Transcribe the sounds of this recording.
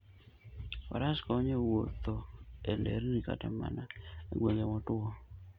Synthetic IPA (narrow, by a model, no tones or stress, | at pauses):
wa̰ɾaskɔɲewot̪oendḛɾnika̰tɛma̰naɡweŋɡemɔtʊɔ